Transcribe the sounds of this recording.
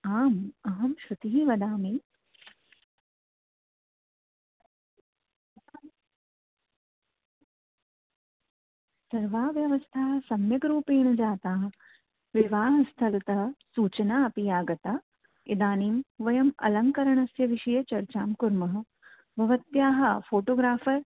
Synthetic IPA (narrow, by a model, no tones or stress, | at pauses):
aːmɐɦɐmʃut̪iɦiʋɐd̪aːmi | sɐɾʋaːʋjɐʋɐst̪ʰaːɦɐsɐmjɐɡɾuːpeːɳɐd͡ʒaːt̪aːɦɐ | ʋiʋaːɦɐst̪ʰɐlɐt̪ɐɦɐ̆suːt͡ʃɐnaːɐpijaːɡɐt̪aː | id̪aːniːmʋɐjɐmɐ̰lɐŋkɐɾɐɳɐsjɐʋiʃɐjɐt͡ʃɐɾt͡ʃaːmkuɾmɐɦɐ̆ | bʱɐʋɐt̪jaːɦɐ̆fʰoːʈoːɡɾaːfɐɾ